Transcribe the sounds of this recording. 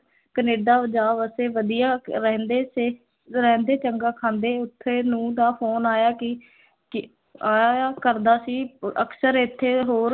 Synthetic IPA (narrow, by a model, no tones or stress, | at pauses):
kəneːɖaːd͡ʒaːʋəseːʋəd̪ijaːɾɛːnd̪eːseː | ɾɛːnd̪eːt͡ʃəŋɡaːkʰãːnd̪eːʊt̪ʰːeːnũːd̪aːfʰoːnaːjaːkɪ | kɪ | aːaːkəɾd̪aːsiːəksəɾɪt̪ʰːeːɦoːɾ